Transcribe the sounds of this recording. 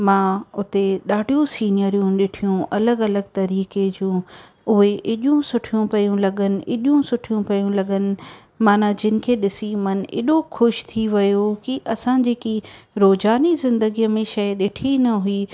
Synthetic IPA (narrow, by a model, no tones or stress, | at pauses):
mãːʊt̪eɗaːɖʱijũsiːnijəɾijũɗɪʈʰijũʔɐləɡɐləɡ̚t̪ɐɾiːked͡ʑũː | ʊɦeʔɪɗjũsʊʈʰijũpɐjũlɐɠənɪ̆ʔɪɗjũsʊʈʰijũpɐjũlɐɠənɪ̆ | maːnad͡ʑɪnɪ̆kʰeːɗɪsimɐn̆ɪ̰ɗoxʊʃt̪ʰiʋɐjokiʔɐsãːd͡ʑeːkiɾoːzaːnizɪ̃nd̪əɡijmẽʃɐjɗɪʈʰinɐɦʊiː